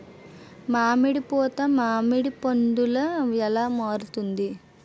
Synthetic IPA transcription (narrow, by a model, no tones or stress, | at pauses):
maːmiɽipɔːt̪ɐmaːmiɽipoɳɖ̪ulɐɛlaːmaːɾut̪und̪i